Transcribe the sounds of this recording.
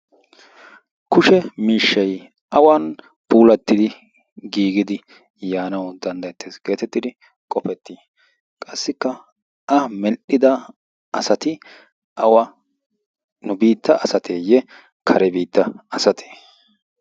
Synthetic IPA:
kʊʃɛmiːʃːɐj | ʔɐwɐn | pʰuːlɐt̪ːɪd̪ɪ | ɡiːɡɪd̪ɪ | jaːnɐwd̪ɐnd̪ɐjɛt̪ːesɡ̥e̞ːt̪ɛt̪ːɪd̪ɪ | kʼɔpɛt̪ːiː | kʼɐsːɪkːɐ | ɐmɛlʔɪd̪ɐ | ʔɐsɐt̪ɪ | ʔɐwɐ | nʊbiːt̪ːɐʔɐsɐt̪ʰeːjɛ | kʰɐɾɛbiːt̪ːɐɐsɐt̪ʰe̥ː

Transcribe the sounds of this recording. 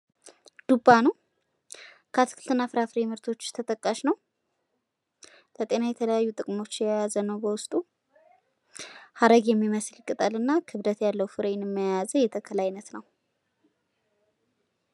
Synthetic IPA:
d̪̥ubːanuw | kʰəat̪ʰɨ̥kʰɨlt̪ʰɨnːafɨɾafɨɾemɨɾt̪ʰo̞t͡ʃːt̪ʰət̪ʼəkʼːaʃnəw | lət̪ʼe̞najɛt̪ʰələjajːut̪ʼɨkʼmo̞t͡ʃːjajazənəwbəwʊst̪ʼu | had̪əɡjɛmːiməslkʼɨt̪ʼəlɨnːakʰɨβd̪ət̪jalːəwfɨɾenɛmːəjajazəjɛt̪ʰəkʰəlajnət̪nəw

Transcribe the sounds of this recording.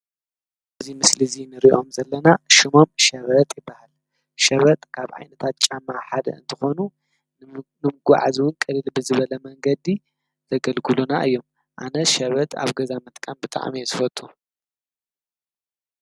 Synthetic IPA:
ʔʔɨzimɨslizinɨɾiʔo̞mzɐlːɐnaʃimo̞mʃɐβɐt̪ʼjɪbːahal | ʃɐβɐt̪ʼkʰaβʕa̰jnɐt̪ʰat̪̚t͡ʃʼamːaħad̪ɐ̰ɨ̰nt̪ʰɨxo̞nu | nɨmɨɡʷa̰ʕazwʊnkʼɨdɨlbɨzɨβɐlɐmɐŋɡɐd̪i | zɐɡɐlɡɨlunaʔɨjːo̞m | ʔanɐʃɐβɐt̪ʼa̰βɡɐzamɐt̪ʼkʼambɨt̪ʼa̰ʕ̰mizɨfɐt̪ʼːu

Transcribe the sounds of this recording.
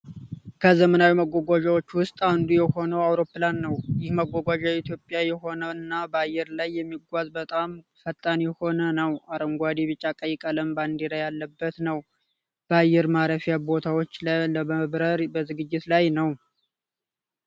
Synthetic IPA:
kʰəzəmənawiməɡʷɔɡʷaʒawo̞t͡ʃːwʊst̪ʼand̪ujɛho̞nəwawɾo̞pːlanːəwjɪhməɡʷːɔɡʷaʒawit̪ʰjo̞pʼjajɛɦo̞nəɨnːabəajɛɾlajːɛmːiɡʷazbət̪ʼamfət̪ʼːanjɛho̞nənəwaɾəŋɡʷad̪iβɨt͡ʃʼːakʼəjɛkʼələmband̪eɾajalːəbːət̪nəw | b̥əajːɛɾmaɾəfijabo̞t̪ʰawot͡ʃːləməβɾəɾbəzɨɡɨd͡ʒːɪt̪lajnəw

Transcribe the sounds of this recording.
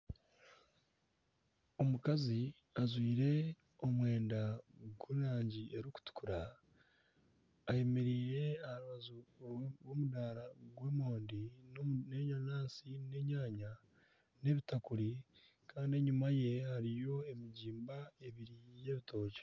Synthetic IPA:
o̞mukazi | azwiːɾe̞ | o̞mwe̞ːndaɡwuɾaːɲɟie̞ɾiku̥tu̥kuɾa | je̞meɾiːɾe̞aaɾuβazuɾwomudaːɾaɡwemoːndine̞ɲanaːsine̞ɲaːɲa | ne̞βitakuɾi | kʰaːndieɲumaje̞haɾijo̞e̞miɟiːmbae̞βiɾije̞ːβito̞ːɟe̥

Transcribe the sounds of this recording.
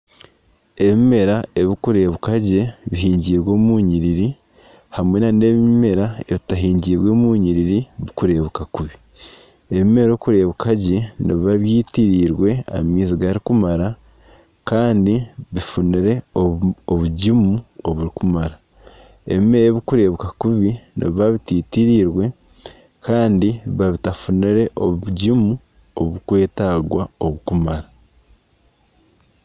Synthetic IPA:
e̞βime̞ɾae̞βikuɾe̞ːβukaɟe̞βiɦiːɲɟiːɾwo̞ːmuːɲiɾiɾi | hamwenane̞βiime̞ɾae̞βitaɦiːɲɟiːɾwo̞ːmuːɲiɾiɾiβikuɾe̞ːβukakuβi | eβime̞ɾoːkuɾe̞ːβukʰaɟe̞niβiβaβjiːtiɾiːɾwe̞a̰miːziɡaɾikumaɾa | kaːndiβifuniɾe̞ | oβuɟimuoβuɾikumaɾa | e̞̰βime̞ːɾeβikuɾe̞ːβukakuβinḭβaβitiːtiɾiːɾwe̞ | kaːndiβaβitafuniɾe̞ʔouɟimu | o̰βukwe̞ːtaːɡwao̞βukumaɾa

